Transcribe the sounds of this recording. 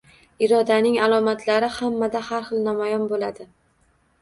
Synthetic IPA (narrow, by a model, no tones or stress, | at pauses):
ɪɾɒd̪anɪŋalˠɒmat̪ʰlaɾɪhamːad̪ahaɾχɨlˠnamajɒnbolad̪ɪ